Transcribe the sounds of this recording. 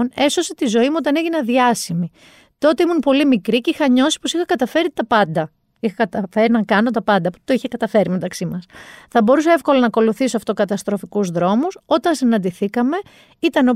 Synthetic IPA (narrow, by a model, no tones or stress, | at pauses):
ne̞so̞se̞t̪izo̞imuot̪ɐneʝinɐðiɐsimi | t̪o̞t̪e̞imunpo̞limikɾicixɐɲo̞si̥po̞sixɐkɐt̪ɐfe̞ɾit̪ɐpɐnd̪ɐ | ixɐkɐt̪ɐfeɾinɐkɐno̞t̪ɐpɐnd̪ɐpo̥t̪t̪oiçekɐt̪ɐfe̞ɾime̞t̪ɐksimɐsθɐbo̞ɾusɐe̞fko̞lɐnɐko̞luθisoɐft̪okɐt̪ɐst̪ɾo̞fikuzðɾo̞muso̞t̪ɐnsinɐnd̪iθikɐme̞ | it̪ɐno